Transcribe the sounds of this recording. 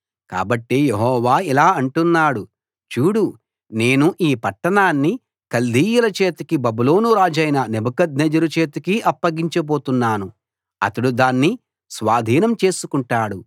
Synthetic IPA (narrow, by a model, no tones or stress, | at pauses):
ka̰ːbɐʈːijeɦɔːʋaːilaːɐɳʈunːaːɽu | t͡ʃuːɽu | ne̞ːnuʔiːpɐʈːɐɳaːnːi | kɐld̪ʱiːjulɐt͡ʃe̞ːt̪ɐkibɐbulo̞ːnuɾaːd͡ʒɐjnɐnebɐkɐd̪ned͡ʒɐɾut͡ʃe̞ːt̪ukiʔɐpːɐɡiɲt͡ʃɐboːt̪unːaːnu | ɐ̰t̪ɐɽud̪aːnːi | sʋaːd̪ʱiːnɐmt͡ʃe̞ːsukuɳʈaːɽu